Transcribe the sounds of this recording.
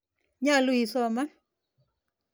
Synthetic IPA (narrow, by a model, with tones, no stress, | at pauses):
ɲa˦˨lu˦i˨sɔ˦˨ma˦